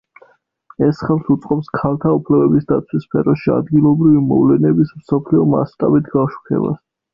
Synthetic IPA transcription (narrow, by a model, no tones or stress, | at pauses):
ɛsχɛlˠsut̪sʼqʼɔpskʰalˠt̪ʰaupʰlɛbɛbisd̪at̪sʰwispʰɛɾɔʃia̰d̪ɡilˠɔbɾivimɔ̰vlɛnɛbismsɔpʰliɔma̰st̪ʼabit̪ʰɡafʃu̥kʰɛ̰ba̰s